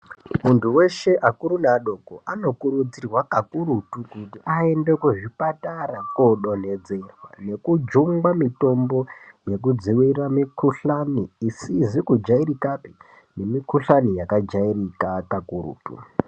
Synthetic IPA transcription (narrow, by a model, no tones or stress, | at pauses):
muntʰuwe̞ʃe̞ʔakuɾunaɗo̞koʔano̞kuɾud͡zirwakakuɾutukutiʔae̞nde̞kuʐipataɾakoɗo̞ne̞d͡ze̞rwa̰ne̞kud͡ʒuŋɡamito̞mbo̞je̞k̬ud͡ziwiramikʰuɬaniːsizikud͡ʒaiɾikapi | ne̞mikuɬanijakad͡ʒairikakakuɾṵːtṵ